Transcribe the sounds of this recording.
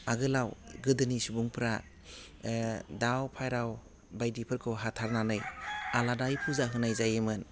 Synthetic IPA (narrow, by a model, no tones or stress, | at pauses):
aɡɯlawɡɯdɯnisubuŋpʰɾa | dawpʰajɾaw | bajdipʰɯɾkʰɯɦatʰaɾnanɯjaladajpʰuzaɦɯnajzajemɯn